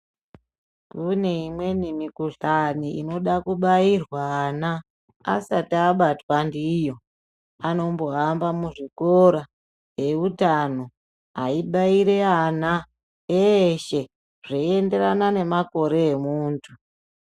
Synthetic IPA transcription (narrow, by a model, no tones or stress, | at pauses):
kune̞imwe̞nimikuɬaniḭno̞ɗakuɓairwaːna | a̰satːɓatwandijo̞ | ano̞mbo̞ambamuʐikoɾa | ɦe̞utano | a̰iɓaiɾe̞ana | eʃe̞ | ʐeiende̞ɾanane̞mako̞ɾe̞ːmuːntʰu